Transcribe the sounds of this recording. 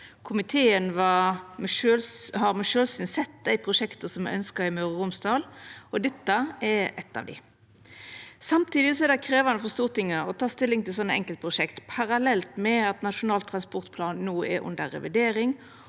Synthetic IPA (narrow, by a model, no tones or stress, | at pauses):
kʰʊmɪt̪ʰeːənʋɑ | øhɑɾmæɪʂøːlsyːnsɛt̪̚d̪æɪpʰʁʊʂɛkt̪əsɔmæɪœnskɑɪmœʁəʁʊmsd̪ɑːlɔd̪ɛt̪ːəɛɛt̪ːɑ̰ʋd̪ɪ̰ | sɑmt̪ʰiːd̪ɪsɔɛɾd̪æɪkʰɾeːʋɑnəfɔʁst̪uːʁt̪ɪŋːəɾɔt̪ʰɑːst̪ɪlːɪŋt̪ɪlsɔnːəɛŋkəlt̪pʁʊʂɛkt̪pʰɑɾɑlɛlt̪mɛɑt̪nɑʂʊnɑːlt̪ʰːɾɑnspɔʁt̪pʰlɑːnːuːɛ̰ɾʔʉ̰nd̪ə̰ɾɛ̰ʋɪd̪eːɾɪŋ